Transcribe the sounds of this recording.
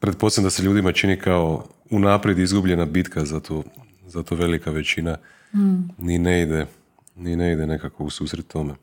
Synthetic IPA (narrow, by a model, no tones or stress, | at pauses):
pɾe̞t̪̚po̞semd̪ase̞ʎuːd̪imat͡ʃinikʰao̞ | unaːpɾje̞d̪izɡubʎe̞nabit̪kʰazat̪ʰo | zat̪oʋe̞likaʋe̞t͡ʃina | nineid̪e | nineid̪ene̞kako̞usuːsɾet̪ːo̞me